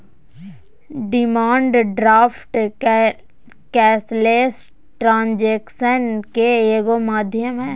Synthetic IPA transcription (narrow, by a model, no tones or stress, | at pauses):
ɖɪmaːɳɖɖɾaːpʰʈ | kɛːsleːs | ʈɾãːnd͡ʒeːkʃənkeeːɡomaːd̪ʱjəmɦɛ̃ː